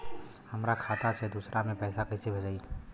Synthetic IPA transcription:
hɐmɾakʰaːt̪ʰased̪uːsɾʔamẽpɛːsakɛsebʱɐd͡ʒai

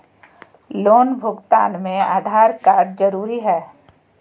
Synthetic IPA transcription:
loːnbʱʊɡt̪a̰ːnmẽaːd̪ʱaːɾkaːɾɖd͡ʒɐɾuːɾiɦɛː

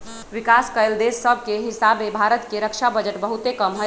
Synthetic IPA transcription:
ʋikaskəeld̪esːəbʱkeɦisabebʱaɾət̪keɾəkʃʰabəd͡ʒəʈbəɦut̪ekəmɦə

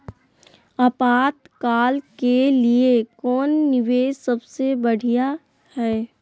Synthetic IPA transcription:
ɐpaːt̪kaːlkeliekɔːnːɪʋeːsɐbsebɐɽ̤ija | hɛː

